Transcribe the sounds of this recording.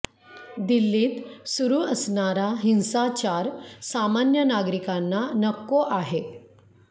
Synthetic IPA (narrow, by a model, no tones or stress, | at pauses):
d̪ilːiːt̪suɾuːəsnaɾaɦinsat͡ɕaɾsamanjənaɡɾikanːanəkːoʔaɦe